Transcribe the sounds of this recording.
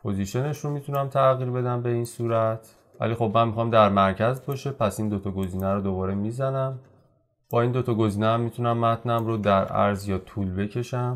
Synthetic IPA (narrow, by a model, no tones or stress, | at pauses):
pʰo̞ziʃe̞ne̞ʃɾomiːt̪ʰunæmt̪ʰæɣiːɾbe̞d̪æmbe̞insuːɾæt̪ʰ | væ̰lixo̞bmænmixɒːmd̪æɾmæɾcʰæzbɒʃepʰæsind̪o̞t̪ʰɒɡo̞ziːnæɾod̪obɒːɾemiːzænæm | b̥ɒːind̪o̞t̪ʰɒɡo̞ziːnææmːit̪ʰunæmːæt̪ʰnæmɾod̪æɾʔæ̰ɾzjɒːt̪ʰulbe̞cʰe̞ʃæm